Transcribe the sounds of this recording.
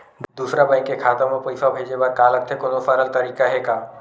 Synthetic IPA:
d̪usɾabãɪ̃kːekʰaːt̪əmõpoisabʱeːd͡ʑebaːd̪̚kaːlək̚t̪ʰekonofaːɾəlt̪ɐɾiːkaɦekaː

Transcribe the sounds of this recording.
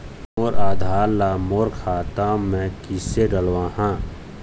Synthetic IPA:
moːɾaːd̪ʱaːɾlaːmoːɾkʰaːt̪ãːmɛ̃kiseɖəlwãːɦãː

